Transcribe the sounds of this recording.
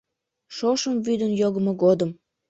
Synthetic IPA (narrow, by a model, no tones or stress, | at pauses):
ʃoʃəmvyd̪ənjoɣəmoɣod̪əm